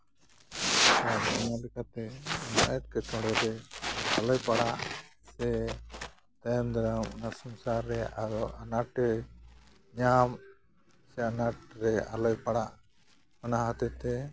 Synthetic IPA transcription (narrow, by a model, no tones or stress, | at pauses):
aɔnalɛkat̪ɛnaɛt̪̚kɛt͡ʃɔ̃ɽɛɾɛalɔjpaɽaʔsɛ | t̪ajamd̪aɾamɔnasɔmsaɾːɛʔad̪ɔanaʈɛ | ɲam | sɛanaʈ̚ɾɛa̰lɔjpaɽaʔ | ɔnaɦat̪ɛt̪ɛ